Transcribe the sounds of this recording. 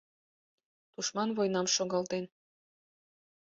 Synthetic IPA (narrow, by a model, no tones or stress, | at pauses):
t̪uʃmɑnβojnɑmʃoɣɑlt̪en